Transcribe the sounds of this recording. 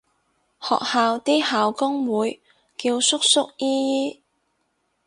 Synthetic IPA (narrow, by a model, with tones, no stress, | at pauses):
hɔ̰ː˨k̚haː˨wt̪iː˥haː˨wkʊ˥ŋwuː˨˧j | kiː˧wsʊ˥k̚sʊ˥k̚jiː˥jiː˥